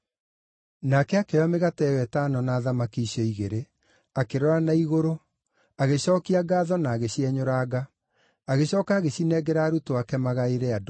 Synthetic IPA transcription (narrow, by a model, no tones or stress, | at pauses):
nakɛakeameɣatɛwɛtanɔnaːðamakiːɕɔiɣeɾe | akeɾɔɾanaiɣoɾo | aɣeɕɔːkiaɡaːðɔnaːɣeɕiɛɲoɾaːɣa | aɣeɕɔːkaːɣeɕinɛɡɛɾaːɾutoakɛmaɣaeɾɛad